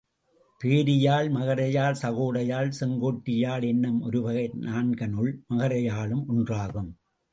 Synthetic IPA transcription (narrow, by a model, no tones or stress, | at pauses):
peːɾɪjaːɭmɐɣɐɾɐjaːlsɐɣoːɽɐjaːlsɛŋɡoːʈːɪjaːlɛnːɯmɔ̰ɾɯʋɐɣɐɪnʔaːnɡɐnɯɭmɐɣɐɾɐjaːɭɯmʊndraːɣɯm